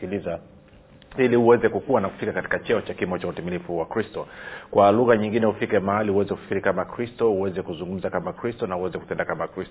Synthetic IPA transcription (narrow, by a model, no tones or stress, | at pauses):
kiliza | ilihuwɛzɛkukuwanaku̥fikakati̥kat͡ʃɛɔt͡ʃakimɔt͡ʃautimilifuwakɾistɔkwʔaluɣaɲiŋɡinɛhufikɛmahalihuwɛzɛkufkiɾikamakɾistɔuwɛzɛkuzuŋɡum̩zakamakɾistɔnahuwɛzɛku̥tɛndakamakɾistɔ